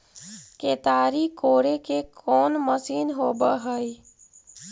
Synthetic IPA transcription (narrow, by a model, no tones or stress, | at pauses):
keːt̪aːɾikoːɾekekʰɔːnməsiːnɦoːbəɦəi